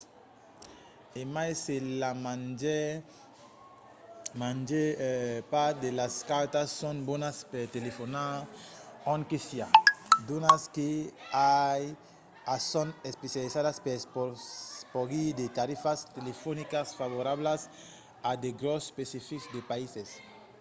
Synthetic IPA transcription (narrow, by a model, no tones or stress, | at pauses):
emajselamnd͡ʒe | mãnd͡ʒepaɾd̪elaskaɾt̪asːõnbonaspeɾt̪elefonaɾõŋkesjad̪unaskeaj | asonespesjalisaðaspespopoɡid̪et̪aɾifast̪elefonikasfaβoɾaβlas | ad̪eɡɾospesifiksd̪epaises